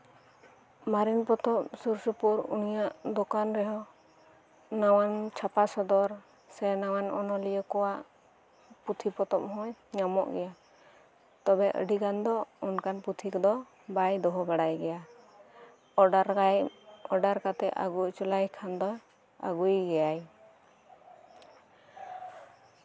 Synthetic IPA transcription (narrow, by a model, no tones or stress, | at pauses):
maɾinpɔt̪ɔp̚suɾsupuɾṵnijaʔd̪ɔkanɾɛɦɔ | nawant͡ʃʰapasɔd̪ɔɾ | sɛnawanɔnɔlijəkɔwaʔ | put̪ʰipɔt̪ɔp̚ɦɔ̃jɲamɔ̰ʔɡɛja | t̪ɔbɛʔə̰ɖikand̪ɔɔnkanput̪ʰikɔd̪ɔ | bajd̪ɔɦɔbaɽajɡɛja | ɾ | ɔɖaɾkat̪ɛʔa̰ɡujt͡ʃulajkʰand̪ɔ | a̰ɡujɡɛjaj